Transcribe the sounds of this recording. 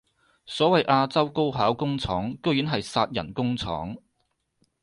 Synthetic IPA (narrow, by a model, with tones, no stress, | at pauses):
sɔː˨˥wɐ˨jʔaː˧t͡sɐ˥wko˥wɦaː˨˥wkʊ˥ŋt͡sʰɔː˨˥ŋko˥wjyː˨˥nɦɐ˨jsaː˧t̚jɐ˨˩nkʊ˥ŋt͡sʰɔ̰ː˨˥ŋ